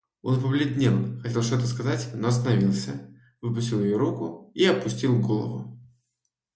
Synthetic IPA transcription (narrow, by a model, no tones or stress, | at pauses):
o̞̰npəvlʲɪd̪ʲnʲelˠxɐtʲe̞lˠʂt̪ot̪əskɐzatʲnoɐst̪ənɐvʲilˠsʲə | vɨpʊsʲɪlˠjɪjoɾukʊiɐpʊsʲtʲilˠɡo̞lˠə̰vʊ̰